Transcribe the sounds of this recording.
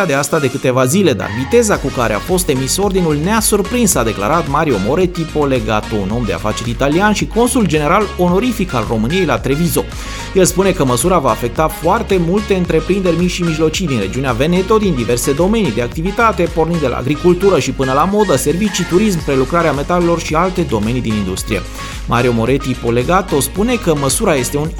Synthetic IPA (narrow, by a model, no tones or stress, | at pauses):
ad̪east̪ad̪e̞kɨt̪e̞vazile̞d̪a̰rvit̪e̞zakukaɾe̞a̰fo̞st̪e̞miso̞rd̪inulneasurpɾinsad̪e̞kla̰ɾat̪maɾio̞mo̞ɾe̞t̪ipo̞le̞ɡa̰t̪ouno̞md̪e̞a̰fat͡ʃe̞ɾit̪alianʃiko̞nsuld͡ʒe̞ne̞ɾalo̞no̞ɾifikalro̞mɨnije̞jlat̪ɾe̞vizo̞ | jelspune̞kəməsuɾavaːfe̞k̚t̪afoart̪e̞mult̪e̞ɨnt̪ɾe̞pɾind̪e̞rʲmiʃimiʒlo̞t͡ʃid̪inre̞̰d͡ʒiuneave̞ne̞t̪o̞d̪ind̪ive̞rse̞d̪o̞me̞nid̪e̞ak̚t̪ivit̪at̪e̞po̞rnind̪elʔa̰ːɡɾikult̪uɾəʃipɨnəlamo̞d̪əse̞rvit͡ʃit̪uɾismpɾe̞lukɾaɾeame̞t̪ale̞lo̞rʃialt̪e̞d̪o̞me̞nid̪inind̪ust̪ɾijḛ | mʔaɾio̞mo̞ɾe̞t̪ipo̞le̞ɡat̪o̞spune̞kəməsuɾaje̞st̪eun